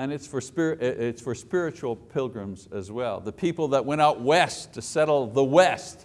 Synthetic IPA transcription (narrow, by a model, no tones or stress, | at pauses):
ɨ̃nɨtsfə˞spɪɹʔɪɪtsfə˞spɪɹɨt͡ʃul̩ˠpʰɪlˠɡɹɨ̃mzɨzwɛ̰lˠðəpʰipl̩ˠðət̚wɛ̃ɾ̃aʊt̚wɛstʰɨsɛɾl̩ˠðəwɛst